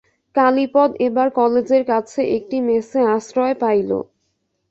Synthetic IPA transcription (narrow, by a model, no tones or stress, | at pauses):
kalipɔd̪ebaɾkɔled͡ʑeɾkat͡ɕʰeʔek̚ʈimeseaʃɾɔepajlo̰